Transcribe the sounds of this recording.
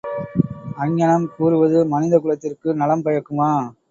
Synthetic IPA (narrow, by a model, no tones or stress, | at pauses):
ɐɲːɐɳɐmkuːɾɯʋɐðɯmɐnɪðɐkɯɻɐt̪ːɪrkɯnɐlɐmpɐjɐkːɯmaː